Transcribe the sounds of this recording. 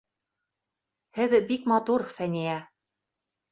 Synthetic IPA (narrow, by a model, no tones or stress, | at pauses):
hɘðbikmɑt̪uɾfænijæ